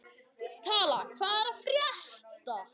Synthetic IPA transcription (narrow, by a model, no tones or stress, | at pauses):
t̪ʰaːlakʰvaːɾafrjaht̪a